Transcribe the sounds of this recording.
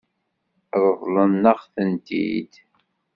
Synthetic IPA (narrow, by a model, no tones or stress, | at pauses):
ðˤəðˤlənːəχθənt̪ḭd̪